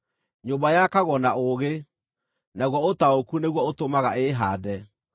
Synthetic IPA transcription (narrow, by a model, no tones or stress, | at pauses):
ɲombajakaɣɔnaoɣe | naɣwɔotaokuneɣwɔotomaɣaeɦadɛ